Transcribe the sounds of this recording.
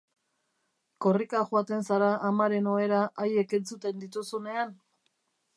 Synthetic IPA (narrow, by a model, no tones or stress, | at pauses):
ko̞rikaʝoat̪e̞nsaɾaʔːmaɾe̞no̞e̞ɾaʔaje̞ke̞nt͡sut̪e̞nd̪it̪usune̞an